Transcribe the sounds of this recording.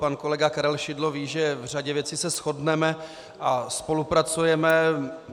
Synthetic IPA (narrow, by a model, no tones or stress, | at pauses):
panko̞lɛɡakaɾɛlʃɪdloviːʒɛvr̝aɟɛvjɛt͡sisɛsxo̞dnɛmɛ | ʔaspo̞lupɾat͡sujɛmɛ